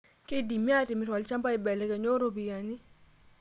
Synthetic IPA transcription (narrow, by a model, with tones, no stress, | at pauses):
kɪ˦di˨mi˦a˦tɪ˨mɪ˨twa˨lt͡ʃa˦mpa˦ɪ˨bɛ˨lɛ˨˦ka˨ɲo˦ɾo˦˨bi˨ja˨ni˦